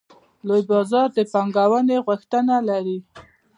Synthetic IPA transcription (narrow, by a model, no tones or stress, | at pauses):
lojbɑzɑɾd̪əpaŋɡawəneɣʊxt̪ənalaɾi